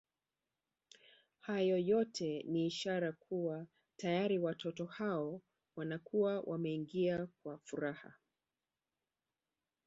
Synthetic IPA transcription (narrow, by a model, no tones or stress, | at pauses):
hajɔjɔtʰɛniːʃaɾakʰuwa | tajaɾiwatʰɔtɔhaɔ | wanakuwawʔamɛiŋɡiakwafuɾaha̰